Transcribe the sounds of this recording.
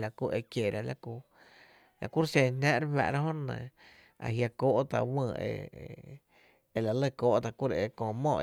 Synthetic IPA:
la˨ku˧˨ʔe˧kje˨ɾʔa˨la˧ku˧ | la̰˨ku˦ɾsẽ˧nãː˦ʔɾba̰˧˨ɾa˦ɦõ˦nə̰̃˧˨ | a̰˨ɦja˧koː˧˨ʔt̪a̰˧wə̃ː˧˨ḛ˧˨ | e˧la˨lə˦˧˨koː˧˨ʔt̪a˧ku˦ɾe˨ʔe˧kõː˧˨mõ˧˨ʔ

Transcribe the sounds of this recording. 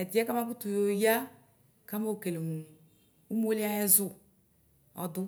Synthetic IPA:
ɛ˨di˨˦ɛ˦ka˦ma˦bu˦tu˨jo˨ja˦ | ka˦mo˦o˨ke˨le˨u˨ | u˦m˦o˦li˦a˦ɛ˦zʊ˦˨ | ɔ̰˨dʊ˦

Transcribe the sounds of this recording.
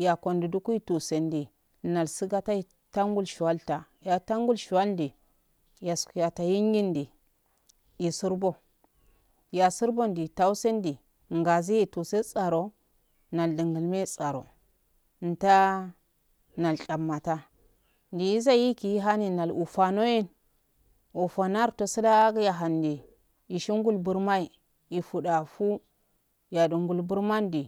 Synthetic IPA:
ja˨ko˨ndi˨du˦ku˦i˦tu˨se˨ndi˨ | na˨lsi˦ɡa˦ta˦i˨ | ta˦ŋɡu˦lʃu˨wa˦lta˨ | ja˨ta˦ŋɡu˦lʃu˨wa˦ldi˨ | ja˨sku˨ja˨ta˨ji˦ŋ˦ɡi˦ndi˨ | ji˨su˦ɾbo˦ | ja˨su˦ɾbo˦ndi˨ta˦u˦se˦ndi˨ | ŋɡa˨zi˦ji˦˨tu˨se˦t͡sʼa˨ɾo˨ | na˨ldi˨ŋɡə˨lme˦t͡sʼa˨ɾo̰˨˦ | n̩˨ta˦ | na˨lɬʼa˨mːa˨ta˦ | ndi˨i˦za˦ji˦ki˨ji˦ɦa˦ni˨na˨lu˨fa˨no˦ji˦n | u˨fa˨na˦ɾto˨si˦la˦ɡja˨ɦa˨ndi˨ | i˨ʃi˦ŋ˦ɡu˦lbu˦ɾma˦i˨ | i˨fu˨da˨fu˦ | ja˨du˨ŋɡu˨lbu˦ɾma˦ndi˨

